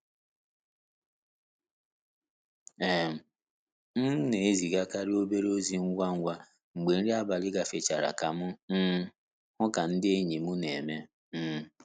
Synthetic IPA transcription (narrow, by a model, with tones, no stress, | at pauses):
e˨m̩˨ | n̩˦ne˨e˦zi˨ɡa˦ka˦ɾɪ˦o˦be˦ɾo˦zi˨ŋ̩˦ɡʷa˦ŋ̩ʷ˦a˦ | ŋ͡m̩˨ɡ͡be˨n̩˦ɾɪ˦a˦ba˨lɪ˦ɡa˨fe˨t͡ʃa˨ɾa̰˨ka˨mʊ˦m̩˦ | hʊ˦ka˨n̩˦dɪ˦e˦ɲi˨mu˦ne˨me˦ | m̩˦